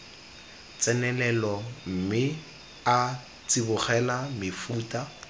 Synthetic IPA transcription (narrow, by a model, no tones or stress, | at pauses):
t͡sɛnɛlɛlɔm̩mɪ | a | t͡sɪbʊχɛlamɪfuːta